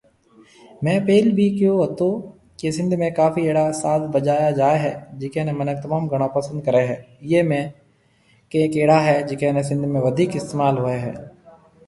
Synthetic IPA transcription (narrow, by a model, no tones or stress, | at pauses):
mɛ̃ːpeːlbʱikjõɦot̪o | kesɪ̃nd̪ʱmẽkaːfieːɽasaːt̪bɐd͡ʒaːjad͡ʒaːeɦɛd͡ʒɪkenemɐnək̚t̪ɐmaːmɡɐɽ̃ãpɐsə̃nd̪̚kɐɾeɦɛ̃ː | jeːmẽ | keeːkeːɽaɦɛd͡ʒɪkeːnesɪ̃nd̪ʱmẽʋɐd̪ʱiːkɪst̪eːmaːlɦoːeɦɛ̰ː